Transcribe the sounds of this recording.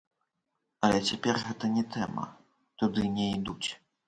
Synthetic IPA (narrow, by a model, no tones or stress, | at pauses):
ɐlʲɛt͡sʲapʲɛrɣɛt̪ɐnʲɛt̪ʰɛmɐ̰ | t̪ud̪ɨnʲɛid̪ut͡sʲ